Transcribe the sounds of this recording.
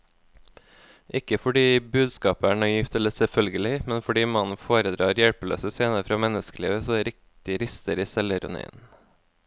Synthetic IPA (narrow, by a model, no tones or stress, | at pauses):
ʔɪkəfɔɖiːbʉːd̪skɑːpəæːɳɑːjɪft̪ɛləsɛlfœlɡəlɪmɛnfɔɖiːmɑnn̩foːɾəd̪ɾɑːɾjɛɽpəlø̰ːsəseːnəfɾɑːmɛnəskəliːʋəsoːɾɪk̚t̪ɪɾɪst̪əɾiːsɛləɾʉ̰n̰ɪ̰n